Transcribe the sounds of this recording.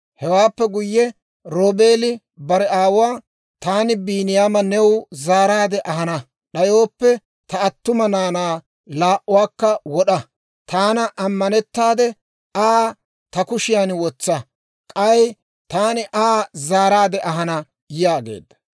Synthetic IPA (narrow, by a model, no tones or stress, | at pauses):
hɛwaːpːɛɡʊjːɛ | ɾoːbe̞ːlɪ | bɐɾɛaːwʊwaː | t̪aːnɪbiːnɪjaːmɐnɛwzaːɾaːd̪ɛʔɐɦɐnɐ | ɗɐjo̞ːpːɛ | t̪ɐːt̪ːʊmɐnaːnaː | laːʔʊwaːkːɐwɔɗɐ | t̪ʰaːnɐʔɐmːɐnɛt̪ːaːd̪ɛ | aː | t̪ɐkʊʃɪjanwɔt͡sːɐ | kʼɐj | t̪aːnɪʔaːzaːɾaːd̪ɛʔɐɦɐnɐ | jɪjaːɡḛːd̪ːɐ̥